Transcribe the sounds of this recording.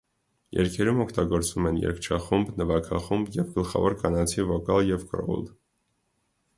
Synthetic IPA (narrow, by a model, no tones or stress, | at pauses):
jɛ̰ɾkʰɛɾumɔkʰt̪ɑɡɔɾt͡svumɛnjɛ̰ɾkʰt͡ʃʰɑχumbnəvɑkʰɑχumbjɛvɡəlχɑ̰vɔɾkɑnɑt͡sʰivɔkɑljɛvkɾɔ̰ṵl